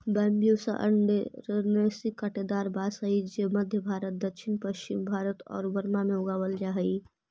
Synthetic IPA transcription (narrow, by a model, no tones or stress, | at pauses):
bɛːmbijosa̰ʔə̰ɳɖɾnesikːəʈed̪aːɾbaːsəid͡ʒeməd̪ʱjəbʱaːɾət̪̚d̪əkʃʰɪnpəʃt͡ʃɪmbʱaːɾət̪ɔ̰ːɾbəɾmamẽʊɡaːwəld͡ʒaɦəi